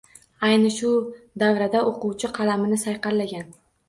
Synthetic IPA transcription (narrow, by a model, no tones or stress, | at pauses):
ajnɪʃʊd̪avɾad̪aʔoquwt͡ʃʰɪqʰɑlamɪnɪsajqɑɾlaɡʲan